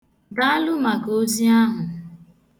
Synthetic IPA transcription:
ba˦a˦lʊ˦ma˨ko˦zi˦a˦ɦʊ˨

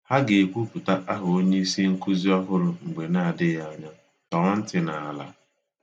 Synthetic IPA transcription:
ha˦ɡe˨kʷu˦pu˨ta˦ʔa˦ɦʊ˨o˦ɲe˦i˦si˦ŋ̩˦ku˦zi˦ɔ˦ɦʊ˦ɾʊ˨ŋ͡m̩˨ɡ͡be˨na˦a˨dɪ˦ja˦˨ɲa˦ | tɔ˨ŋɔ˦n̩˦tɪ˨na˨a˨la̰˦

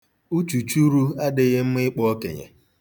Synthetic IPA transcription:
u˦t͡ʃu˨t͡ʃu˦ɾu˦a˦dɪ˦ɣɪ˦m̩˦mɪ˦k͡pɔ˦ɔ˦kḛ˨ɲḛ˨

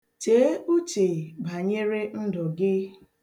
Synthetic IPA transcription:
t͡ʃeː˨˦u˦t͡ʃe˨ba˨ɲe˦ɾe˦n̩˦dɔ˨ɡɪ˦

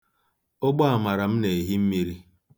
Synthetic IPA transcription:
o˦ɡ͡bɔ˦a˨ma˨ɾa˨m̩˦ne˨ɦi˦m̩˦mi˦ɾi˦

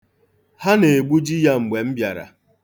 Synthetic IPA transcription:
ha˦ne˨ɡ͡bu˦d͡ʒi˦ja˦ŋ͡m̩˨ɡ͡be˨m̩˦bja˨ɾa̰˨

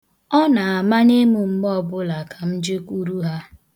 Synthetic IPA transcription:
ɔ˦na˨a˨ma˦ne˦mu˨m̩˦ɡ͡bɔ˦bʊ˦la˨ka˨m̩˦d͡ʒe˦kʷu˦ɾu˦ɦa˦

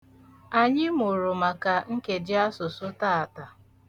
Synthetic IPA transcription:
a˨ɲɪ˦m˦ʊ˨ɾʊ˨ma˨ka˨ŋ̩˦ke˨d͡ʒɪ˦a˦sʊ˨sʊ˦ta˦a˨ta˨

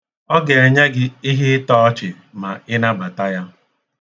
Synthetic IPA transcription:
ɔ˦ɡe˨e˨ɲe˦ɡɪ˦i˦ɦɪ˦tɔː˦t͡ʃɪ˨ | ma˨ɪ˦na˦ba˨ta˦ja˦

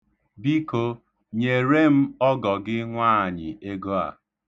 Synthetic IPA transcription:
bi˦ko˦ | ɲe˨ɾe˦m̩˦ɔ˦ɡɔ˨ɡɪ˦ŋʷaː˦˨ɲɪ˨e˦ɡo˦a̰˨

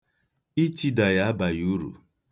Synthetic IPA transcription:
i˦ti˦da˨ja˦a˦ba˨ju˦ɾṵ˨

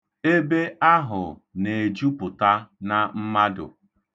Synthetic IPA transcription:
e˦be˦a˦ɦʊ̰˨ne˨d͡ʒu˦pʊ˨ta˦na˨m̩˦ma˦dʊ̰˨

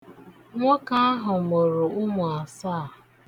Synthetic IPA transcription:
ŋʷɔ˦ka˦a˦ɦʊ˨mo˨ɾʊ˨ʊ˦mʊ˨a˨saː˦˨

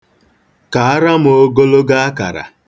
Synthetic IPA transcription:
ka˨a˦ɾa˦m˦o˦ɡo˦lo˦ɡa˦a˦ka̰˨ɾa̰˨

